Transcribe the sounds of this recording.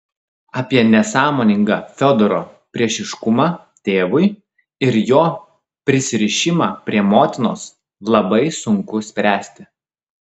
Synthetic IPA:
ɑːpʲiɛnʲɛsɑːmoːnʲɪŋɡɑfʲɔd̪oɾoːpʲɾʲiɛʃʲɪʃkʊmɑː | t̪ʲeːʋʊɪ | ɪɾjoː | pʲɾʲɪsʲɪɾʲɪʃʲɪmɑːpʲɾʲiɛmoːt̪ʲɪno̰ːs | lˠɐbɐɪsʊŋkʊsʲpʲɾʲæːsʲt̪ʲɪ

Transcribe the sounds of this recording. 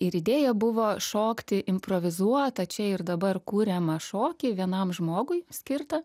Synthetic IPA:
ɪɾɪd̪ʲeːjɛbʊʋoːʃoːkt̪ʲɪʔɪmpɾoːʋʲɪzuɔt̪ɐt͡ʃʲɛɪrd̪ɐbɐrkuːɾʲɛmɐʃoːkʲɪʋʲiɛnɐmʒmoːɡʊjsʲkʲɪrt̪ɐ

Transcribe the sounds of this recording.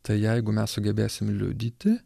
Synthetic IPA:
t̪ɐɪjɛɪɡʊmʲɛssʊɡʲɛbʲeːsʲɪmlʲʊ̰d̪ʲiːt̪ʲɪ

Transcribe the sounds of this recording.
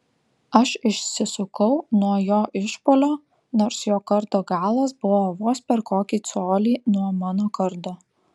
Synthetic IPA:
ɐʃɪʃʲsʲɪsʊkɐʊnuɔjoːʔɪʃpoːlʲoː | noːɾsjoːkɐɾt̪oːɡɑːlˠɐsbʊʋoːʋoːspʲɛɾkoːkʲiːt̪soːlʲiːnuɔmɑːnoːkɐɾt̪oː

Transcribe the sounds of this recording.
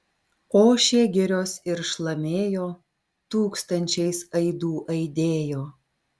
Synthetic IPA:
koːʃʲeːɡʲɪɾʲoːsɪɾʃlˠɐmʲeːjoː | t̪uːkst̪ɐnʲt͡ʃʲɛɪsɐɪd̪uːʔɐɪd̪ʲeːjoː

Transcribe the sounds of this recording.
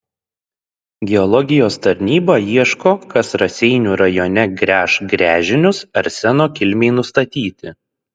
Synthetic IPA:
ɡʲɛɔlˠɔɡʲɪjoːst̪ɐɾʲnʲiːbɑiɛʃkoːkɐsɾɐsʲɛɪnʲuːɾɐjoːnʲɛɡɾʲæːʃɡɾʲæːʒʲɪnʲʊsɐɾsʲænoːkʲɪlʲmʲeɪnʊst̪ɐt̪ʲiːt̪ʲɪ

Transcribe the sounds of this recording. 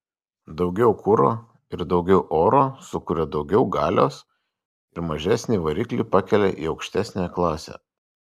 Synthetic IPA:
d̪ɒʊɡʲɛʊkʰʊɾo̰ː | ɪɾd̪ɒʊɡʲɛʊʔoːɾoːsʊkʊɾʲɛd̪ɒʊɡʲɛʊɡɑːlʲo̰ːs | ɪɾmɐʒʲæsʲnʲiːʋɐɾʲɪːklʲiˑpɑkʲɛlʲɛ̰ʔḭːɒʊkʃʲt̪ʲæsʲnʲeklˠɑːsʲɛ̰ː

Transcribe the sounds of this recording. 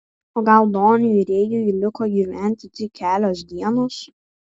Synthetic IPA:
oːɡɐlˠd̪oːnʲʊjiɾʲeːjuːjilʲɪkoːjiʋʲɛnʲt̪ʲɪt̪ʲɪkʲʰæːlʲoːsd̪ʲiɛnoːs

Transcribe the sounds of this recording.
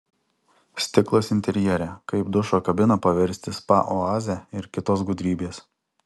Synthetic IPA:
sʲt̪ʲɪklˠoːsɪnʲt̪ʲɛɾʲjɛɾʲɛkɐɪpd̪ʊʃoːkɐbʲɪnɐpɐʋʲɛɾʲsʲt̪ʲɪspɑ̰ʔɔɑːzʲæɪɾkʲɪt̪oːsɡʊd̪ʲɾʲiːbʲeːs

